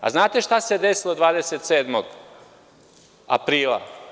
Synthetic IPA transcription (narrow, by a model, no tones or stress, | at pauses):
a̰znaːt̪e̞ʃt̪ased̪esilod̪ʋaːd̪eset̪seːd̪moɡ | a̰pɾiːlˠa̰